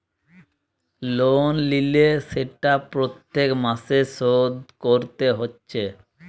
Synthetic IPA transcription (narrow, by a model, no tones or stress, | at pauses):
lonlileseʈapɾot̪ːekmasesod̪koɾt̪eɦotːɕʰe